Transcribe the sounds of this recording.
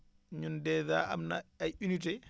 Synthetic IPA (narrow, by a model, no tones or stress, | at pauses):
ɲundɛða̰a̰mna̰ajʔunitɛ